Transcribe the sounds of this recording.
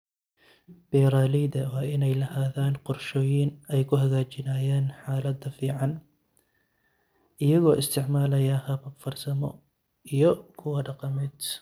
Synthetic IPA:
b̥ɛɾaːlɛdɐwɑːʔɪnɛjlɐhaːðaːnqɔrʃɔːjɪnɛjkʰʊɦɐɣaːt͡ʃɪnaːjaːnħaːlɐd̪ɐfiːʕɑn | ʔɪjɐɣɔːʔɪst̪ʰɪʕmaːlɐjɐhɐβɐbfɐrsɐmɔ̰ | ijɔkʰʊwɐɖɑqɑmɛːd̪

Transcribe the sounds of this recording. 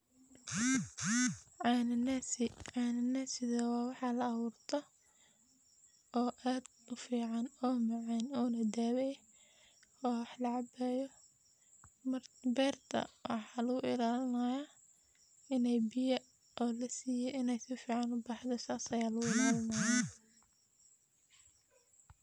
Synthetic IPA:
ʕɑnɪnɐsɪʕɑːnɪnɐsɪðɐwɑːwɑħɑlɐːwʊːrt̪ʰɔ | ɔːʔaːd̪ | ʊfiːʕɑnɔːmɑʕɛnɔːlɐd̪aːwɛj | ɔːwɑħlɐʕɑbɛːjɔ | mbɛːrt̪ʰɐ̰wʔɑ̰ħɑːlɐɣʊʔɪlaːlɪnaːja | ɪnɛjbɪjɐ | ʔɔːlɐsiːjɛʔɪnɛjsɪfiːʕɑnʊbɑːħd̪ɔsaːsɐjaːlɐɣʊɪlaːlɪnaːja

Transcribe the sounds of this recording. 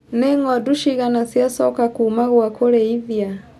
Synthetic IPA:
neŋɔduʃiɣanasjasɔkakuːmaɣwakoɾeiðia

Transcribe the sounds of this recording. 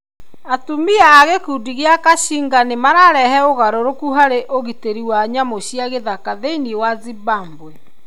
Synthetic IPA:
atumiaːɣekudiɣeakaɕiŋɡanemaɾaɾɛhɛoɣaɾoɾokuɦaɾeʔoɣiteɾiwaɲamoɕijaɣeðakaðeiniwazibambwɛ

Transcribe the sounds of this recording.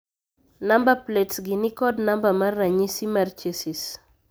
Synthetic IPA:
nambapletsɡinikɔdnambamarːaɲisimart͡ʃesis

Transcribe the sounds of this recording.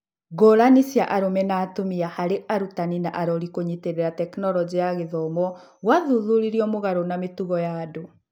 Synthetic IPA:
ɡoɾanisjaʔaɾomɛnaːtomiahaɾeʔaɾutaninaʔaɾɔɾikoɲiteɾeɾatɛknɔlɔd͡ʑiaɣeðɔmɔ | ɣwaðuðuɾiɾiɔmoɣaɾonametuɣɔjaːdo

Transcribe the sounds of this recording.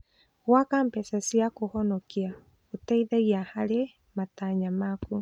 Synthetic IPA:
ɣwakampɛsasiakohɔnɔkia | ɣotɛiðɛɣiahaɾe | mataɲamaku

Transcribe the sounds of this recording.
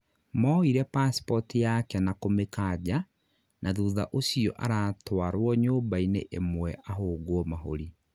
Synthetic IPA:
mɔiɾɛpaspɔtijakɛnakomekad͡ʑa | nʔaðuːða̰ʔosiɔ̰ʔaɾaːtwaɾwɔɲoːbainḛʔemwɛʔaɦoːɡwɔmaɦo̰ɾi

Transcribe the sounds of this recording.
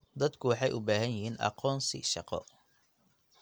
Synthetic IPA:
d̪ɐd̪kʰʊwɑħɑjʊbaːɦɐnjɪɦiːnʔɑ̰qɔːnsɪ̰ʃɑqɔ̰

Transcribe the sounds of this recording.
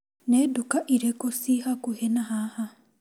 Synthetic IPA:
nɛdokaʔiɾekosihakuhɛnaɦaha

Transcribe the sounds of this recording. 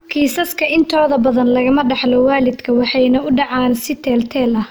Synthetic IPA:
kʰiːsɐskʰɐɪnt̪ʰɔːðɐbɐðɐnlɐɣɐmɐɖɑħlɔwaːlɪd̪kʰɐwɑħɑjnɐʊɖɑʕɑːnsɪt̪ʰɛːlt̪ʰɛːlɐh

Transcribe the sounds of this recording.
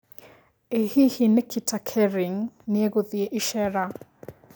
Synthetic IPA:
ehihinekʰitakʰɛɾiŋneeɣoðieʔiʃɛɾa

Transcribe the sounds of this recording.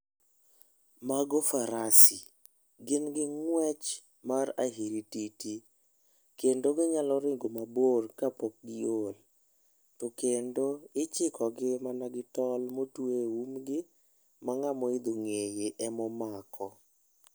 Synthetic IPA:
maɡofaɾasi | ɡɪnɡɪŋwɛt͡ʃ | maɾaɦiɾititi | kendoɡɪɲalɔɾɪŋɡomaborkapok̚ɡɪol | tokendoɪt͡ʃɪkɔɡɪmanaɡɪtɔlmotweumɡɪ | maŋamɔɪd̪oŋejeʔɛmɔmakʰɔ

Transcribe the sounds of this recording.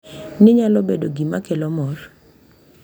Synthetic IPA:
nɪɲalɔbedoɡimakelɔmɔr

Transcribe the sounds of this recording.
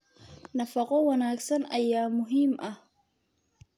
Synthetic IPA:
nɐfɐqɔwɐnaːɡsɐnɐjaːmʊɦiːmʔɐh

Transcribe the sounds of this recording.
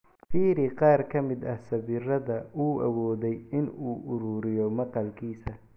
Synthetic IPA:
fiːɾiqɑːrkʰɐmɪd̪ɐhsɐβɪrɐðɐuːʔɐ̰wɔːðɛjɪnuːʔʊɾuːɾɪjɔmɐqɑlkʰiːsɐ

